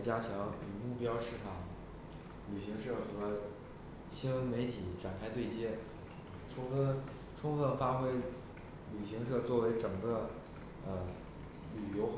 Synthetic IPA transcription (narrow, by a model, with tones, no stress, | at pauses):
t͡ɕja˥t͡ɕʰjɑ˧˥ŋy̰˨˩mu˥˩pjɑ˥ʊʂɻ̩˥˩ʈ͡ʂʰɑ˨˩˦ŋ | ly˨˩ɕi˧˥ŋʂɤ˥˩xɤ˧˥ | ɕi˥nwə˧˥nme˧˥ɪt̪ʰi˨˩˦ʈ͡ʂa˨˩nkʰa˥˧ɪt̪we˥˩ɪt͡ɕjɛ˥ | ʈ͡ʂʰʊ˥ŋfə˥˧˩ | ʈ͡ʂʰʊ˥ŋfə˥˩nfa˥xwe˥ɪ | ly˨˩ɕi˧˥ŋʂɤ˥˧t͡swɔ˥˩we˧˥ɪʈ͡ʂɤ˨˩ŋɡə˦ | ə˧˩ | ly˨˩jo˧˥ʊ